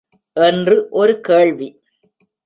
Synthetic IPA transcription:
ʔɛndrɯʔɔɾɯkeːɭʋi

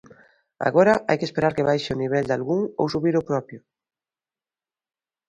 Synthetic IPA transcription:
a̰ɣoɾaʔajkespeɾaɾkeβajʃeoniβ̞ɛld̪alɣuŋo̰wsuβiɾopɾɔpjʊ

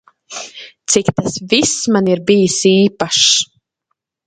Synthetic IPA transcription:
t̪sikt̪asvismaniɾbijɨsiːpaʃ

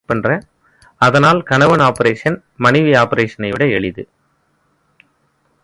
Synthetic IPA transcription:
pːɛndrɐ | ɐðɐnaːlkɐɳɐʋɐnaːpɐɾeːʂɐn | mɐnɪʋiaːpɐɾeːʂɐnɐɪʋɪɽɐɛɭɪðɯ

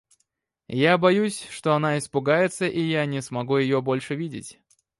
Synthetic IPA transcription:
jabɐjusʲʂt̪o̞ɐnaɪspʊɡajɪt̪səʔijanʲɪsmɐɡujɪjobo̞lʲʂɨvʲidʲɪ̰tʲ

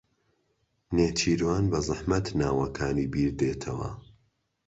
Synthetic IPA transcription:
neːt͡ʃʰiːɾwaːnbɐzˤɨħmɐt̪naːwɐkʰaːniːbiːɾd̪eːt̪ʰɐwɐ̰

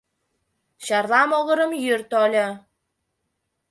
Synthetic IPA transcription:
ɕɑrlɑmoɣə̆ɾə̆mjyrt̪olʲɤ

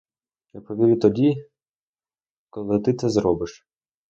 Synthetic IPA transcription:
japɔʋʲiɾʲut̪ɔdʲi | kɔlˠɪt̪ɪt̪sɛzɾɔbɪʃ

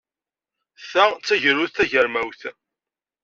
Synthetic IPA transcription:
θæt͡sːæʝəɾʊθθæʝəɾmæwθ

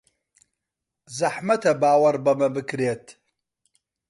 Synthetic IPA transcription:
zɐħmɐt̪ʰɐbaːwɐɾbɐmɐbɨkɾeːt̪ʰ

